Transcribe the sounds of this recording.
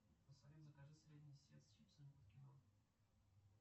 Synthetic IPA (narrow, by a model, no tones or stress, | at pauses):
pəsɐvʲet̪zəkɐʐɨsʲɾʲedʲnʲɪjsʲɾʲet̪sʲt͡ʃipʲsəmʲpət̪kʲɪno